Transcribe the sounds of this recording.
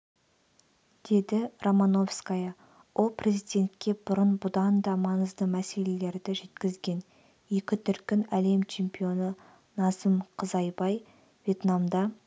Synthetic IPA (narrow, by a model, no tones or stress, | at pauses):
d̪̥e̞d̪ɪromano̞fskajɑ | wʔo̞lˠprʲe̞zijd̪ʲe̞nt̪̚kʲe̞bʊɾənbʊd̪ɑnd̪ɑmɑnəzd̪əmæse̞le̞le̞ɾd̪ɪʒe̞t̪kʲɪzɡʲe̞n | je̞kʲɪt̪ʰʏɾkʲɪnæle̞mt͡ʃʰe̞mpʲijo̞nə | nɑsəmqʰəzɑjbɑj | vʲje̞t̪namd̪ɑ